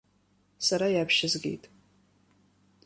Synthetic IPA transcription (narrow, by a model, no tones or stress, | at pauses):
saɾajapʰʃɪzɡʲḛjtʼ